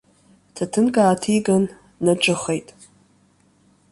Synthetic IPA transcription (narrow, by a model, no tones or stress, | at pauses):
tʰatʰɨnɡʼaːtʰiɡanː | ɨʈ͡ʂʼɨχejtʼ